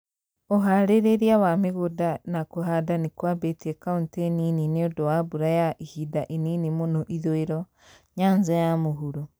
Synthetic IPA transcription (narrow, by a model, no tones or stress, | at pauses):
oɦaɾeɾeɾjawameɣodanakoɦadanikwabetiɛkaunteninineodɔwabuɾajaʔihidaʔininimonoʔiðoeɾɔ | ɲaːnzajamoɦuɾo